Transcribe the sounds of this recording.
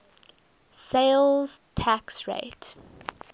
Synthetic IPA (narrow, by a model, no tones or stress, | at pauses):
seɪlˠz̥tʰæksɹḛɪt